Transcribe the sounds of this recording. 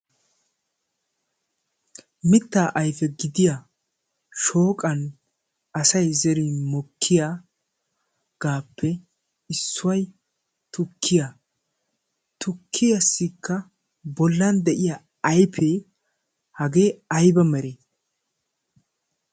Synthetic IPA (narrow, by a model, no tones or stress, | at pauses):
mɪt̪ːaːʔɐjfɛɡɪd̪ɪja | ʃoːkʼɐn | ɐsɐjzɛɾimɔkʰːɪjaː | ɡ̥aːpːɛ | ɪsːʊwɐj | t̪ʊkʰːɪja | t̪ʰʊkʰːɪjɐsːikːɐ | bɔlːɐnd̪ɛʔɪjaː | ɐjpʰeː | hɐɡeːɐjbɐmɛɾeː